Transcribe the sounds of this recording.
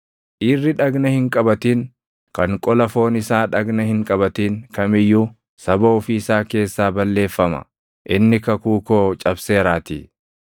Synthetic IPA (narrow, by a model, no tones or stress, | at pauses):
ʔɪrːɪᶑɐɡnɐhɪŋkʼɐbɐt̪iːŋ | kɐŋkʼɔlɐfo̞ːnɪsaːᶑɐɡnɐhɪŋkʼɐbɐt̪iːŋkɐmɪjːuː | sɐboːfɪːsaːke̞ːsːaːbɐlːe̞ːfːɐmɐ̰ | ʔɪnːɪkɐkuːkoːt͡ʃʼɐbse̞ːɾaːt̪ḭː